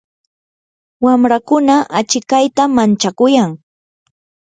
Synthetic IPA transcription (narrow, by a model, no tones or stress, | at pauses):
wamɾakʊnaʔat͡ʃɪkajt̪amant͡ʃakʊjaŋ